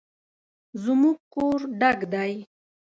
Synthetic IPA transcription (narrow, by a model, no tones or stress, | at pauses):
zʊmuɡkoɾɖaɡd̪aj